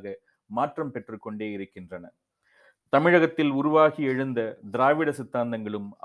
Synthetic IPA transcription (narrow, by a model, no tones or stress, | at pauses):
ɣɐ | maːʈrɐmpɛʈrɯkːɔɳɖeːjɪɾɯkːɪndrɐnɐ | t̪ɐmɪɻɐɣɐt̪ːɪlʊɾʊʋaːɣiɛɻɯnd̪ɐd̪ɪɾaːʋɪɽɐsɪt̪ːaːnd̪ɐŋɡɐɭɯmɐ̰